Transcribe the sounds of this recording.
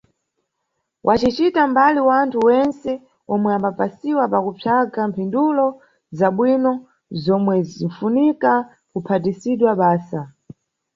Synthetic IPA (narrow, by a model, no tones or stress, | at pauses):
wʔat͡ʃit͡ʃitambaliwantʰuwɛnsɛ | ɔmwɛambapasiwapakupʰjaɡam̩pʰindulɔ | zaɓwinɔ | zɔmwɛziɱfunika | kupʰatisiɗwaɓaːsa